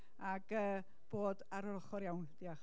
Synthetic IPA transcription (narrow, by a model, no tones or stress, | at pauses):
aɡ̥əː | b̥oːdaɾɔləχɔɾjawnd̥iaχ